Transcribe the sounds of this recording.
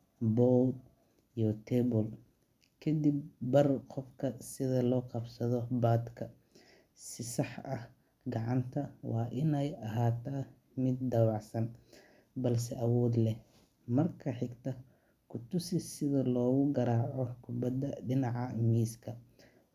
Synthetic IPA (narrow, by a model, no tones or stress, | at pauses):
bɔː | ijɔt̪ʰɛbɔl | kʰɐd̪ibːɐrqɔfkʰɐsɪðɐlɔːqɑbsɐðɔbaːd̪kʰɐ | sɪsɑħɐh | ɡɑʕɑnt̪ʰɐwʔɑːʔɪnɛjɐɦaːt̪ʰaː | mɪd̪̚ːɑwɑʕsɐn | bɐls̬ɛʔɐwɔːd̪lɛ | mɐrkʰɐħɪɡt̪ʰɐ | kʰʊt̪ʊsɪsɪðɐlɔːɣʊɡɐɾaːʕɔkʰʊbɐd̪ːɐɖɪnɑʕɑmiːskʰɐ